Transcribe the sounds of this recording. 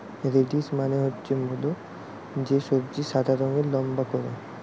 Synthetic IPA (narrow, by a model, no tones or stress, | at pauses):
eɾeɖismaneɦotːt͡ʃʰemulo | d͡ʒesoɾd͡ʑiʃad̪ʱaɾɔŋɡelɔmbakɔɾe